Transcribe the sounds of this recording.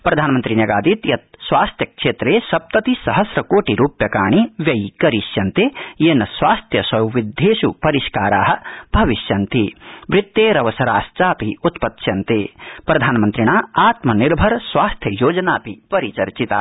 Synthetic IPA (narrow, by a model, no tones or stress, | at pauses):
pɾɐd̪ʱaːnmɐnt̪ɾinɐɡaːd̪iːt̪jɐt̪̚sʋaːst̪ʰjɐkʂeːt̪ɾeːsɐp̚t̪ɐt̪isɐɦɐsɾɐkoːʈiɾuːpjɐkaːɳ̃iʋjɐjkɐɾiʃjɐnt̪eːjeːnɐsʋaːst̪ʰjɐsɐwʋid̪ʱːeːʃupɐɾiʃkaːɾa̰ːɦɐ̆bʱɐʋiʃjɐnt̪ibɾɪt̪ːeːɾɐʋɐsɐɾaːst͡ʃaːpiut̪pɐt̪ʃjɐnt̪eːpɾɐd̪ʱaːnmɐnt̪ɾiɳ̃aːaːt̪mɐniɾbʱɐɾsʋaːst̪ʰjɐjoːd͡ʒɐnaːpipɐɾit͡ʃɐɾt͡ʃit̪a̰ː